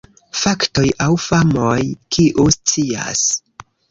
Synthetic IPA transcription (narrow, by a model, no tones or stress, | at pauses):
fakto̞jawfamojkʰiʔust͡sia̰s